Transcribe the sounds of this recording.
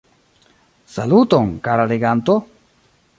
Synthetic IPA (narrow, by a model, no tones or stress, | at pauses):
salut̪oŋkaɾaleɡant̪o